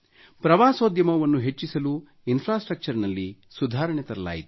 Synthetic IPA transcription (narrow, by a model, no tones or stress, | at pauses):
pɾɐʋaːsoːd̪jɐmɐʋɐnːuɦe̞t͡ʃːisɐluː | inpʰɾaːsʈɾɐk̚t͡ʃɐɾnɐlːi | sud̪ʱaːɾɐɳɛt̪ɐɾɐla̰ːjit̪u̥